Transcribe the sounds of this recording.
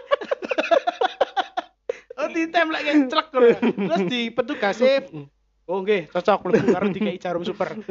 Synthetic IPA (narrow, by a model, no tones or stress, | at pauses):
od̪it̪ɛmlɛʔkɛt͡ʃələk̚ːəlɾʊsd̪̥ipət̪̬uɡ̥ase | woŋɡet͡ʃɔt͡ʃɔk̚ləkaɾd̪i̤kait͡ʃaɾʊmsupər